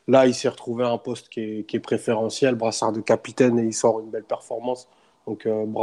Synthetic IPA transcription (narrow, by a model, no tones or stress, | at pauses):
lailsɛʁət̪χuveɛ̃pɔst̪kʲɛkʲiɛpχefeʁɑ̃sjɛlbʁasaʁd̪əkapit̪ɛneisɔʁynbɛlpɛʁfɔʁmɑ̃s | d̪ɔ̃købʁ